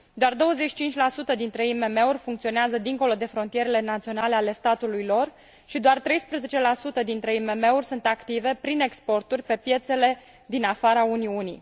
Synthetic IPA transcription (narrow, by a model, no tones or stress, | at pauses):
d̪oard̪o̞wəze̞t͡ʃi̥t͡ʃint͡ʃʲlasut̪əd̪int̪ɾe̞ime̞me̞urʲfuŋkt̪sio̞neazəd̪iŋko̞lo̞d̪e̞fɾo̞nt̪ije̞ɾe̞le̞nat̪sio̞nale̞ale̞st̪at̪ulujlo̞r | ʃid̪oart̪ɾe̞jspɾeze̞t͡ʃe̞lasut̪əd̪int̪ɾe̞ime̞me̞urʲsunt̪akt̪ive̞pɾine̞kspo̞rt̪urʲpe̞pje̞t̪se̞le̞ | d̪inafaɾauniunḭ